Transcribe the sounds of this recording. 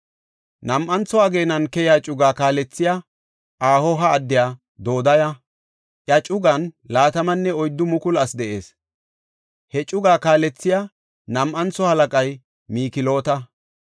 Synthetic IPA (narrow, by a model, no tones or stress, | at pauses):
nɐmʔɐnt͡sɔaɡe̞ːnɐnkɛjaːt͡ʃʼʊɡaːkaːlɛt͡sːɪja | ʔaːhɔɦɐːd̪ːɪjaː | d̪o̞ːd̪ɐjɐ | ʔjɐt͡ʃʼʊɡɐnlaːt̪ɐmɐnːɛɔjd̪ːʊmʊkʊlɐsd̪ɛʔe̞̰ːs | hɛt͡ʃʼʊɡaːkaːlɛt͡sːɪjaː | nɐmʔɐnt͡sːɔhɐlɐkʼɐj | miːkɪlo̞ːt̪ɐ